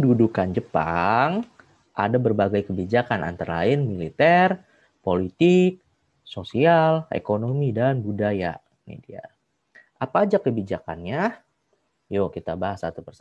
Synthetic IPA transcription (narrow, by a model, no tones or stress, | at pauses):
dudukand͡ʒəpa̰ŋ | ʔa̰dabərbaɡajkəbid͡ʒakanʔa̰nt̪əɾa̰ɪnmilit̪ɛr | polit̪ɪk̚ | sosialḛkonomidanbudaja̰ | mḛdia̰ | ʔapaːd͡ʒakəbid͡ʒaka̰nɲa | jokit̪abaɦasat̪upərs